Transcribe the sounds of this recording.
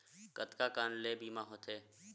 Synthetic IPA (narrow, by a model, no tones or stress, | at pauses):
kət̪kaːkaːnleːbiːmaːɦoːt̪ʰeː